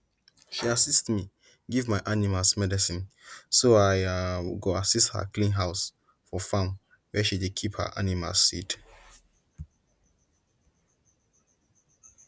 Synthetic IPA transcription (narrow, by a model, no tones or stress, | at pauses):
ʃiasistmi | ɡivmaɪʔanimalsmɛdɛsĩnsoaɪɡoasisthə̰kʰlĩnɦaʊs | fɔfãm | wɛʃidekʰiphə̰ʔa̰nima̰lsːḭt